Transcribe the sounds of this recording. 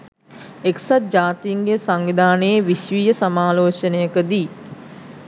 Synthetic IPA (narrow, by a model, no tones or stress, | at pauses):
eksat̪̚d͡ʒaːt̪iːŋɡesaŋʋid̪aːnəjeʋiʃʋiːjəsamaːloːt͡ʃənəjəkəd̪i